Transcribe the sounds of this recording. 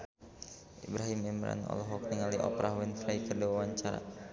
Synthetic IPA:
ʔibɾaɦimɛmɾa̰nɔ̰lɔɦɔk̚nəŋaliʔɔpɾʔaɦwɛnfɾajkərdiwawaɲt͡ʃaɾa̰

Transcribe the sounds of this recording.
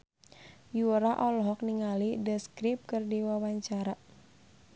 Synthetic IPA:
juɾaʔɔlɦɔk̚niŋalidəskɾip̚kərdiwawaɲt͡ʃaɾa

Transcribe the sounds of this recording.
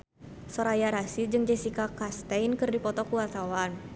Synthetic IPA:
sɔɾajaɾasid͡ʒɨŋd͡ʒɛsikakast̪ɛjnkɨrdipɔt̪ɔkuwat̪awan

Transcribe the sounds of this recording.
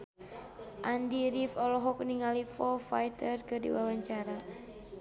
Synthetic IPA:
ʔandiɾifɔlɔɦɔk̚niŋalifɔfajt̪ərkɨdḭwawaɲt͡ʃaɾa

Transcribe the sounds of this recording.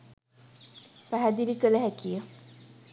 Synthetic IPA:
pæɦæd̪iɾikələɦækijə

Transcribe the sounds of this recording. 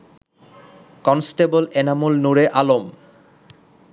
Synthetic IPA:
kɔnsʈebolenamulnuɾeʔalom

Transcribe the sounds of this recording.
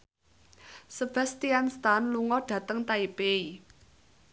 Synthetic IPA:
səb̥ɛ̤st̪ianst̪anluŋɔɖ̥ä̤t̪əŋt̪aipei

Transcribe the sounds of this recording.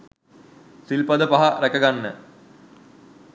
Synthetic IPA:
silpɐd̪əpaɦaɾækəɡanːə

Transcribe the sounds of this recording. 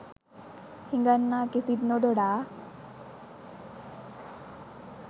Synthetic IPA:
hiŋɡənːakisid̪nod̪oɽa

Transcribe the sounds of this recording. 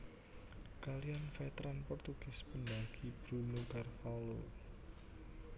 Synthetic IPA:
kalianfɛt̪ɾanpɔrt̪uɡ̥ɪsbəndaɡ̥ib̥ɾunukarfalo

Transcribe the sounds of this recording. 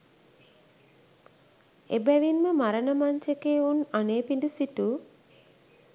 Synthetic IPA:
ḛbæʋinməmaɾənəmaɲt͡ʃekeːunaneːpindusitu

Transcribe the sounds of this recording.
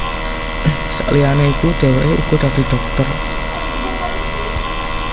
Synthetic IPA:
sa̰ʔlianeikud̪̥e̤weʔeṵkud̪̥ad̪̥i̤ɖ̪̥ɔk̚t̪ər

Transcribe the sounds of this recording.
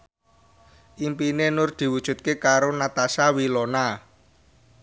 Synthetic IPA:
ʔimpinenʊrd̪̥i̤wud̥ʒ̥ṳt̪̚kekaɾonat̪asawilɔna

